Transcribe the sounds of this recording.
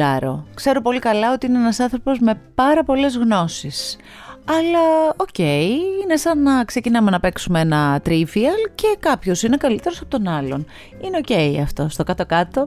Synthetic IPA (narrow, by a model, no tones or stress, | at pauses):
ɐ̰ɾo̞̰kse̞ɾopo̞likɐlɐo̞t̪iineenɐsɐnθɾo̞po̞zme̞pɐɾɐpo̞le̞zɣno̞sis | ɐlɐoce̞iine̞sɐnːɐkse̞cinɐmenɐpe̞ksumee̞nɐt̪ɾiviɐlce̞kɐpço̞sine̞kɐlit̪e̞ɾo̞sɐ̥pot̪o̞nɐlo̞n | ineo̞ce̞iɐ̰ft̪o̞st̪o̞kɐt̪o̞kɐt̪o̞